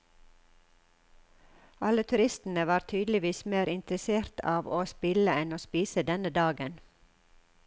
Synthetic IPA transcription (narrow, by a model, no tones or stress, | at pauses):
ɑlət̪ʰʉɾɪst̪n̩əʋɑːɾt̪ʰyːd̪l̩ɪʋiːsmeːɾɪnt̪ɾəseːɾt̪ʰɑːʋoːspɪləɛnoːspiːsəd̪ɛnəd̪ɑːɡən